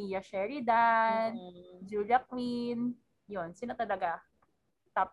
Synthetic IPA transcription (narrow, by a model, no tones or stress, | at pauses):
ijɐʃɛɹid̪and͡ʒuljɐk̚win | jonsɪnat̪ɐlɐɡa | t̪aːp